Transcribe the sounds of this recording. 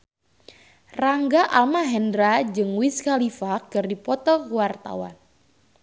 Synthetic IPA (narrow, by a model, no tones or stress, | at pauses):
raŋɡaʔalmaɦɛndɾad͡ʒɨŋwiskalifakɨrdipɔt̪ɔkwart̪a̰wa̰n